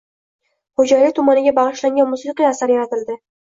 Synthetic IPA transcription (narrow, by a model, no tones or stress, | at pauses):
hod͡ʒajit̪ʰʊmanɪɡʲabɑʁɨʃlaŋɡʲanmʊsiqɨjasaɾjaɾat̪ɪld̪ɪ